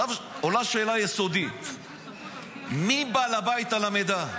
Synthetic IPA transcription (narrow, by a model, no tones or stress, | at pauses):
avolaʃeːlajesod̪it̪ | mibalabait̪alamed̪a